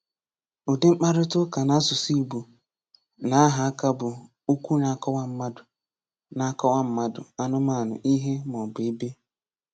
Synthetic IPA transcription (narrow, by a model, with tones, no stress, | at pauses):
o˨de˦ŋ͡m̩˦k͡pa˦ɾʊ˦tʊ˦ka˨na˦sʊ˨si˦˨bu˨ | na˨˦ɦa˨a˦ka˦bʊ˨ | u˦kʷu˦na˨˦˨kɔ˦wa˦m̩˦ma˦dʊ˨ | na˨˦kɔ˦wa˦m̩˦ma˦dʊ̰˨a˦nʊ˦ma˦˨nʊ̰˨ʔi˦ɦe˦mɔ˨be˦be˦